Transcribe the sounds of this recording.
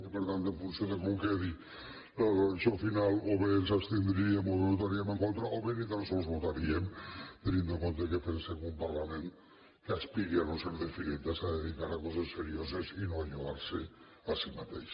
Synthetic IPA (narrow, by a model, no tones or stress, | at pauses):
peɾt̪ant̪emfunsjond̪ekoŋkeði | t͡ʃofinaloβeðensapst̪end̪ɾiiemoðeβot̪̬aɾiemeŋko̞nt̪ɾaʔoβenit̪alsowzβot̪aɾiemt̪enĩnd̪ukont̪ekepenseɣumpaɾlame̞nt̪ | keaspiɾianonseɾðefiɾent̪asaðeðikaɾakosesseɾio̞s̬e̞sinoaʎoaɾse | asimat̪ejʃ